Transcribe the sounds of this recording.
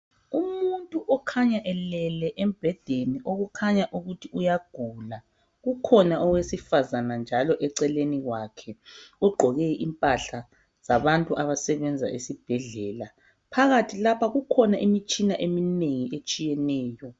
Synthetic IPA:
umuntʼuʔɔkʰaɲaʔɛlɛlɛʔɛmb̥ʱɛd̥ʱeniʔoɣukʰaɲaʔuɣutʰiujaɡ̥ʱula | ɣukʰɔnaʔɔwesifazanand͡ʒʱalɔʔɛǀɛleniɣwakʰɛuɡ͡ǃʱɔɣɛʔimpʼaɬa | z̥aβantʼuʔaβasɛβɛnd͡zʱa̰ʔesib̥ʱɛɮɛːla | pʰaɣatʰilapʰaɣukʰɔnaʔimit͡ʃʼinaʔemineŋiʔet͡ʃʼijɛnɛːjɔ

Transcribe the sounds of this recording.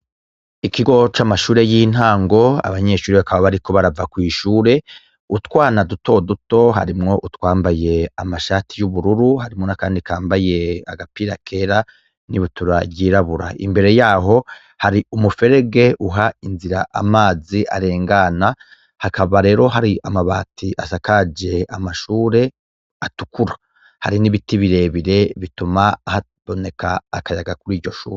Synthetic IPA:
ikiɡo̞t͡ʃamaʃuːɾe̞jiːn̥aːŋɡo̞a̰βaɲe̞ʃuːɾiβakaβaβaɾiko̞βaɾavakwiːʃuːɾe̞ | utkwaːnaduto̞duto̞ɦa̰ɾimŋo̞ʔutwaːmbaje̞amaʃaːtʰijuβuɾuɾuɦaɾimŋo̞nakaːndikaːmbaje̞a̰ɡapiɾakʰe̞ːɾa | niβutuɾaɟiːɾaβuɾa̰ḭmbe̞ɾe̞jaːɦo̞ | haɾiumufe̞ɾe̞ɡe̞ʔuɦainziɾaʔamaːziʔa̰ɾe̞ːŋɡana | hakaβaɾe̞ːɾo̞ɦaɾiʔamaβaːtʰiʔasakad͡ʒe̞amaʃuːɾe̞ | atu̥kuɾa | ha̰ɾiniβitiβiɾe̞βiɾe̞βitumaːha | βo̞ne̞kʰaːkajaɡakuɾiːɾɟo̞ʃṵːɾe

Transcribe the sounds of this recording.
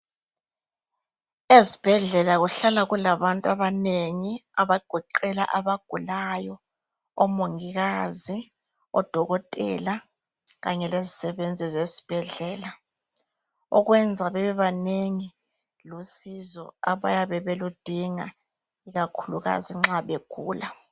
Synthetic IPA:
ezib̥ʱɛɮɛlaɣuɬalaɣulaβantʼwaβaneŋiaβaɡ̥ʱɔǃɛla̰ʔaβaɡ̥ʱulajɔ | ɔmoŋiɣazi | ɔ̰d̥ʱɔɣɔtʼɛ̰la | ɣaɲɛlezisɛβend͡zʱizezi̥b̥ʱɛɮɛːla | ɔɣwɛnd͡zʱaβɛβɛβaneŋi | lusizɔ̰a̰βajaβɛβelud̥ʱiŋa̰ | iɣakʰuluɣa̰ziŋ͡ǁaɓeɡ̥ʱuːla

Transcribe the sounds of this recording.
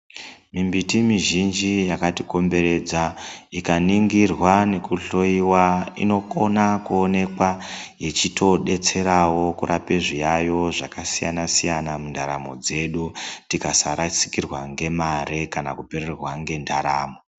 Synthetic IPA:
mimbitimiʒind͡ʒijakatiko̞mbe̞ɾe̞d͡zaikaniŋɡirwane̞kuɬo̞iwaḭno̞konakuone̞kwajet͡ʃitʰo̞ɗe̞t͡se̞ɾawo̞kuɾapeʐijajo̞ʐakasija̰nasijanamundʱaɾamo̞̰d͡ze̞ɗutikasaɾasi̥kirwaŋɡe̞maɾe̞kanakupererwaŋɡe̞ndʰʱaɾaːmo

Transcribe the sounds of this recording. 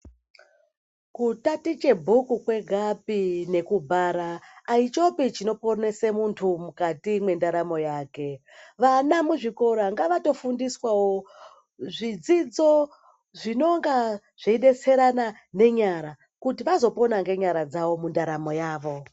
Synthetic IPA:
kutatit͡ʃe̞bʱukukwe̞ɡʱapine̞kubʱaɾaːit͡ʃo̞pit͡ʃino̞po̞ne̞semuntʰumukatimwe̞ndaɾamo̞jaːke̞ | ʋanamuʐiko̞ɾaŋɡaʋato̞fundiswawo | ʐid͡zid͡zo̞ | ʐino̞ŋɡa | ʐ̥iiɗe̞se̞ɾana | ne̞ɲaɾa | kutiʋazo̞po̞naŋɡe̞ɲaɾad͡zaʋo̞mundaɾamo̞jaːʋo̞

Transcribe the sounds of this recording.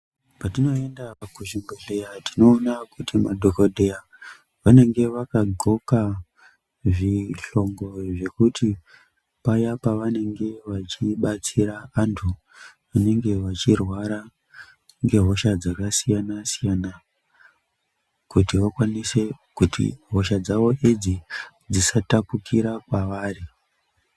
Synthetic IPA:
patino̞e̞ndakuʒimbeɬejatino̞ːnakutimaɗʱokoɗʱe̞ja | ʋane̞ŋɡe̞ʋakaɡʱo̞ka | ʐiɬo̞ŋɡo̞ʐe̞kuti | pajapaʋane̞ŋɡe̞ʋat͡ʃiɓat͡siɾaːntʰu | ʋane̞ŋɡe̞ʋat͡ʃirwaɾa | ŋɡe̞ɦo̞ʃad͡zakasijanasijana | kutiʋakwanise̞ | kutʰḭɦo̞ʃad͡zaʋo̞ʔed͡zi | d͡zisatapukiɾakwaʋaːri

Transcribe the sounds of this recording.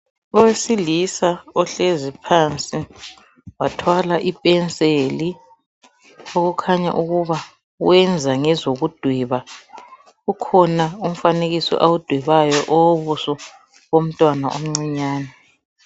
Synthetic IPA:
ɔwesilisaɔɬezipʰant͡sʼi | watʰwalaʔipʼɛnt͡sʼeli | oɣukʰaɲa̰ʔuɣuβa | wɛnd͡zʱaŋɛzoɣud̥ʱwiβa | ukʰɔnaum̩faneɣisɔ̰ʔawud̥ʱwiβajɔʔɔwβusɔ | ɣom̩tʼwanaom̩ŋ͡ǀiɲaːnɛ

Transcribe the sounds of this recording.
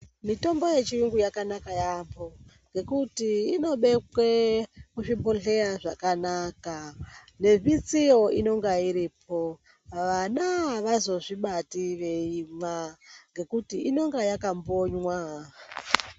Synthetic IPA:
mito̞mbo̞je̞t͡ʃiuŋɡujakanakajabo̞ | ŋɡe̞kutiːno̞ɓe̞kwekuʐiboɬe̞ɾaʐakanaka | ne̞vit͡sijo̞ino̞ŋɡaiɾipʰo̞ | ʋanaʋazo̞ʐiɓatiʋe̞imaŋɡe̞kutiʔino̞ŋɡajakamboɲwa

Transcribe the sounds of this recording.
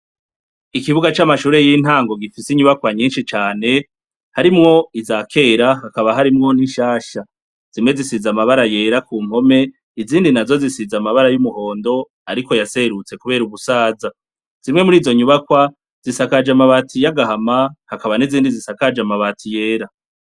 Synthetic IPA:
ikiβuɡat͡ʃamaʃuːɾe̞jin̥haːŋɡo̞ɡifisiɲuβakwaɲiːnʃit͡ʃaːne̞ | haɾimŋo̞izaːkʰe̞ːɾahakaβaɦaɾimŋo̞niʃaːʃa | z̥imŋwe̞zisizamaβaɾaje̞ːɾakuːm̥ho̞me̞ | iziːndinazo̞zisizamaβaɾajumuho̞ːndo̞ | aɾiko̞jase̞ɾut͡se̞kuβe̞ːɾuβusaːza | z̥imŋe̞muɾiːzo̞ɲuβakwa | z̥isakad͡ʒamaβatʰijaɡahamahakaβaniziːndizisakad͡ʒamaβatʰije̞ːɾa

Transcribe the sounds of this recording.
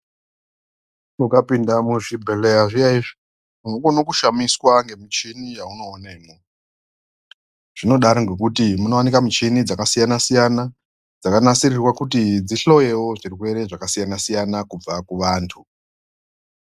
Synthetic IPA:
mukapindamuʐibʱelejaʐijaiʐi | munoɡonokuʃamiswaŋɡe̞mit͡ʃinijauno̞ːneːmo | ʐ̥ino̞ɗaɾoŋɡe̞kutimuno̞wanikamut͡ʃinid͡zakasijanasijana | d͡zakanasirirwakutid͡ziɬo̞je̞wo̞ʐirikue̞ɾeʐakasijanasijanakub͡vakuʋaːntʰu

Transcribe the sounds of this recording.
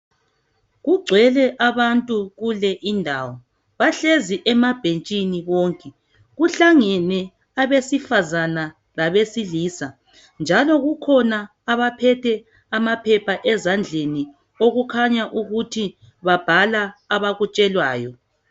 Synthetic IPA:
ɣuɡ͡ǀʱwɛlɛʔaβantʼuɣulɛʔindʱaːwɔ | βaɬeziʔɛmab̥ʱent͡ʃʼiniβoŋkʼɛ | ɣuɬaŋɛnɛ | aβesifazana | laβesiliːsa | nd͡ʒʱalɔɣukʰɔna | aβapʰɛtʰɛ | amapʰɛpʰaʔɛzand͡ɮʱeni | oɣukʰaɲaʔuɣutʰi | βab̥ʱalaːβaɣut͡ʃʼɛlwaːjɔ

